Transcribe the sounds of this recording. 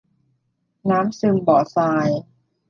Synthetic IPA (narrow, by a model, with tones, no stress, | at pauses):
naː˦˥msɯ˧mbɔː˨˩saː˧j